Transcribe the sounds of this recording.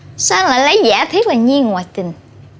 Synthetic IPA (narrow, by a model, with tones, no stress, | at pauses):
saː˧nlaː˨˩lə˨˦jza̰ː˧˩t̪ʰi˦˥ət̚laː˨˩ɲi˧əŋŋwaː˨˩jt̪ï˨˩ŋ